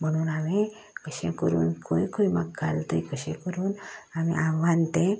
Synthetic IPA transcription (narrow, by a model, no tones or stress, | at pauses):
mənuːname | kəɕẽkəɾṵːnkʰoikoimakɡʱalt̪əjkəɕẽkəɾuːnamḭʔaʋant̪ẽ